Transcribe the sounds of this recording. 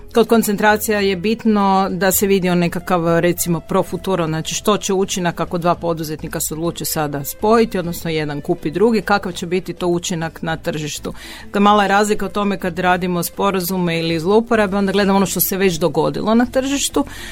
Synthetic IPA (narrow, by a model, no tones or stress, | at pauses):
kod̪kont̪sent̪ɾaːt̪sijaje̞bit̪no̞d̪ase̞ʋid̪ionekakaʋɾe̞t̪simo̞pɾo̞fut̪uːɾoznaːt͡ʃiʃt̪o̞t͡ɕeut͡ɕinakːako̞d̪ʋaːpo̞d̪uze̞t̪nikaseo̞d̪lˠuːt͡ʃesad̪aspo̞jit̪io̞d̪nosnoje̞d̪ankupid̪ɾuɡikakaʋt͡ɕe̞bit̪it̪o̞ut͡ʃinaknat̪r̩ʒiʃt̪u | klemaːlˠajeɾaːzlikaot̪o̞me̞kad̪ɾaːd̪imo̞spo̞ɾazumeilizlˠoupoɾabeo̞nd̪aɡle̞d̪amo̞noʃt̪o̞seʋe̞t͡ɕd̪o̞ɡo̞d̪ḭlˠo̞nat̪r̩ʒiʃt̪u